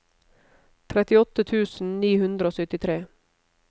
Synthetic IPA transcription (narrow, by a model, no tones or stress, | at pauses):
t̪ʰɾɛt̪ɪɔt̪ət̪ʰʉːsn̩niːhʉnd̪ɾəoːsœt̪ɪt̪ʰɾeː